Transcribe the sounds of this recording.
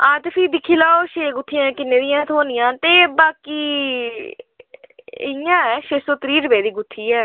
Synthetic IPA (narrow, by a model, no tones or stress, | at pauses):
ãːt̪pʰiːd̪ɪkʰːiːlaːoːʃeːɡʊt̪ʰːɪjãːkɪnːeːd̪ɪjãːt̪ʰoːnɪjãːt̪eːbaːkiː | ɪ̰jãːɛʃeːsoːt̪ɾiːɾəbeːd̪iːɡʊt̪ʰːiːɛː